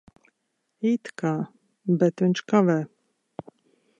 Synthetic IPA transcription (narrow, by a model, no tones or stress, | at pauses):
it̪ka | bɛt̪ɛnt͡ʃkavɛ